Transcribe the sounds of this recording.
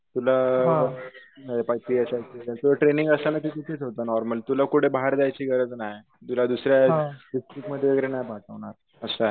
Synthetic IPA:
t̪ulaɦa | əepajt̪iəsajt͡ɕid͡zat̪uəʈɾeniŋɡəsanat̪it̪it̪ʰet͡sɦot̪aənɔɾməlt̪ulakuɽʰebaɦaɾd͡zajt͡ɕiːɡəɾəd͡znaɦj | t̪ulad̪usɾjaɦɖisʈɾikməd̪ʱːjeʋəɡeɾenajpatəʋɳ̃aɾ | əsaɦ

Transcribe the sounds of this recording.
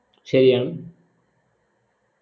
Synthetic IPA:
ɕɐɾijaːɳɨm

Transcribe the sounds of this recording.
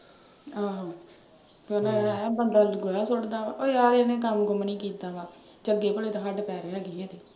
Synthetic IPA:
aː | kənaːbəɳɖaːɡoːjaːsʊɽd̪aːʋaːoiaːɾenẽːkəmɡʊmniːkiːt̪aːʋaː | d͡ʒəɡeːpəɽeːt̪ãɦəɖpɛːɾeːaːɡeːeːt̪eː

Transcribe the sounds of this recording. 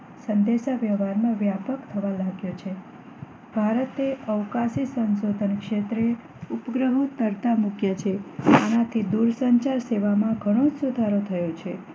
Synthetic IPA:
sənd̪eʃaʋjəʋaɾmãʋjapəkt̪ʰəʋalaɡjot͡ʃʰe | bʱaɾət̪eəʋkasisənsod̪ʱənkʃet̪ɾe | upɡɾəɦot̪əɾt̪amukjat͡ʃʰeanat̪ʰid̪uɾsəɲt͡ʃaɾseʋamãɡʱəɽ̃od͡ʒsud̪ʱaɾot̪ʰəjot͡ʃʰe

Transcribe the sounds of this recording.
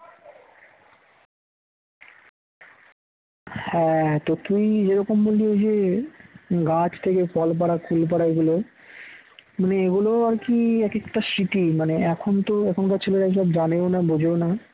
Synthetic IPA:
hɛt̪ot̪ujd͡ʑeɾɔkomboliod͡ʑe | ɡat͡ɕt̪ʰekefɔlp̬aɽakʰulp̬aɽaeɡulo | maneeɡuloaɾkiɛkekʈaʃiʈ̪imaneɛkʰont̪oɛkʰonkat͡ɕʰeleʈaeʃɔbd͡ʑaneonabod͡ʑʱeona

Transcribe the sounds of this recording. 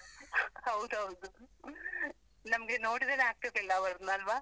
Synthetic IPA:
hɐwd̪uɦɐwd̪u | nɐmɐɡeno̞ːɽid̪ɐleaːɡ̚t̪id̪ilːɐbɐɾd̪nɐlʋaː

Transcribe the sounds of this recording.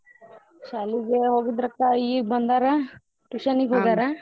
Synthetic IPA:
ʃaːliɡeɦoːɡid̪ɾɐkt̪ːaiːbɐnd̪aɾa | ʈuʃanikɦoːɡ̪aɾa

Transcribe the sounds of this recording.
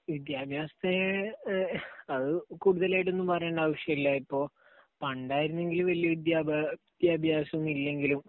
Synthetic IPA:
ʋid̪jaːbʱjaːsɐ̥t̪ːe̞ | ɐðɨkuːɽuðɐlaːjʈ̬ːe̞nːumpɐrɐjːɳɖaːʋɐʂjɐilːaipːo̞ː | pɐɳɖaːjiɾunːe̞ŋɡilumʋɐlijɐʋid̪jaːbid̪̥jaːbʱjaːsɐunilːe̞ŋɡilum

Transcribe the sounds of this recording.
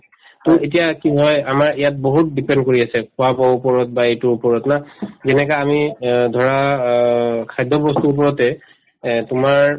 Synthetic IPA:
tʊet̬ijakiɦɔjamaɹijat̚boɦut̚dipɛndkoɹiasɛkʰʊapaupɔɹɔt̚baetʊupɔɹɔtnazɛnɛkaamidʱɔɹa | kʰajdʱɔbɔstuːp̬ɔɹɔtɛ | tʊmaɹ

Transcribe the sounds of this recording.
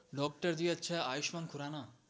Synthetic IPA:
ɖɔk̚ʈaɾd̪ijet͡ɕʰeajiʃmankʰuɾana

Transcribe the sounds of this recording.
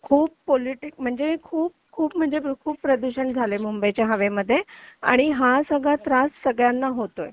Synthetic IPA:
kʰuːb̚poliʈik̚m̤əɳd͡zekʰuːb̚kʰuːpm̤əɳd͡zekʰuːppɾəd̪uɕəɳd͡zʱalemumbəjt͡ɕjaɦəʋeməd̪ʱːjea̰ɽ̃iɦasəɡɭat̪ɾasʈsəɡɭjanːaɦot̪oe

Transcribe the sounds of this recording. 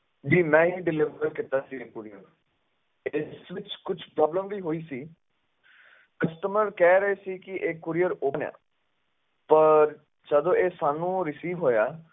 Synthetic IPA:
d͡ʒiːmɛ̃ːɦiːɖɪlɪʋəɾkɪt̪aːsiːeːkʊɾiːəɾ | ɪsʋɪt͡ʃkʊt͡ʃʰpɾɔːbləmʋiːɦoːiːsiː | kəsʈəməɾkɛːɾəeːsiːkɪʔeːkːʊɾijəɾoːnja̰ː | pəɾ | t͡ʃəd̪õːeːsaːnũːɾɪsiːʋɦoːjaː

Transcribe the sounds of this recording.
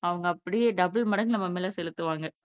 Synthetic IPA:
ɐʋɐŋɡɐːpːɐɽɪjeːɖɐbɪɭmɐɽɐŋɡɪlɐmɐmːeːlɐsɛlɯt̪ːɯʋaːŋɡɐ

